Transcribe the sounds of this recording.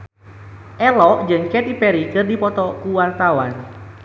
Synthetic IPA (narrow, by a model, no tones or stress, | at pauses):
ʔɛlɔʔd͡ʒɨŋkɛt̪ipɛɾikɨrdipɔt̪ɔkuwart̪awan